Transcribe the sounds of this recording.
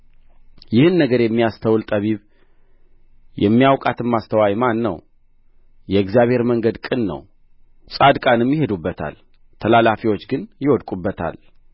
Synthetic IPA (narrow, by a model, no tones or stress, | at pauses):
jɪhɨnːəɡəɾjɛmːijast̪ʰəwlt̪ʼəβiβ | jʔɛmːijawkʼat̪ʰɨmːast̪ʰəwajmanːə̰w | jɛɨɡzjaβhe̞ɾməŋɡəd̪kʼɨnːə̰w | sʼad̪kʼanɨmjɪhe̞d̪ubːət̪ʰa̰l | t̪ʰəlalafiwo̞t͡ʃːɡɨnjɪwɔd̪kʼubːət̪ʰa̰l